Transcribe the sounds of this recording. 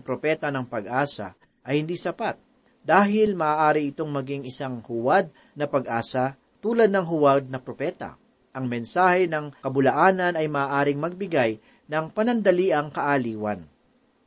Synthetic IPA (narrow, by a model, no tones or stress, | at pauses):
pɾopɛːt̪ɐnɐŋpɐɡʔaːsɐ̰ | ʔɐjhɪnd̪iːsɐpat̪̚ | d̪̥aːɦɪlmɐʔaːʔaːɾɪʔɪt̪o̞ŋmɐɡiŋɪsaŋhʊwad̪̚ | nɐpɐɡʔaːsɐ | t̪uːlɐd̪̚nɐŋɦʊwad̪̚nɐpɾopɛt̪ɐ̰ | ʔɐŋmɛnsaːhɛnɐŋkɐbʊlɐʔaːnɐnɐjmɐʔaːʔaːɾɪŋmɐɡ̚bɪɡaj | nɐŋpɐnɐnd̪ɐliːʔɐŋkɐʔaːliːwɐ̰n